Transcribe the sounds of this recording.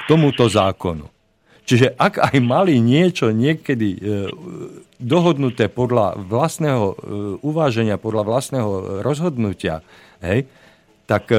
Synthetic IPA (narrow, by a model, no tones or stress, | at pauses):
t̪ɔmut̪ɔzaːkɔnṵ | t͡ʃiʒɛʔaɡajmaliɲɪɛt͡ʃɔɲɪɛkɛd̪i | d̪ɔɦɔd̪nut̪ɛːpɔd̪la̰ʋlast̪nɛːɦɔuʋaːʒɛɲɪapɔd̪laʋlast̪nɛːɦɔɾʔɔzɦɔd̪nucɪa̰ | ɦɛj | t̪ak